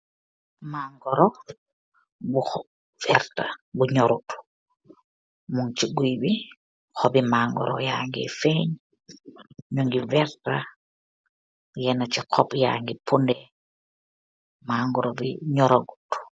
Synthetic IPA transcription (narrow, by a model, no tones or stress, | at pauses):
maŋɡɔɾɔ | bux | v̥ɛɾtabuɲɔɾutu̥ | muŋt͡ʃiɡibi | xɔbimaŋɡɔ̰ɾɔ̰jaŋɡḭfɛɲ | ɲuŋɡivɛɾta | jɛnat͡ʃikʰɔpja̰ŋɡipundɛ | maŋɡɔɾɔbḭɲɔɾoɡu̥tu̥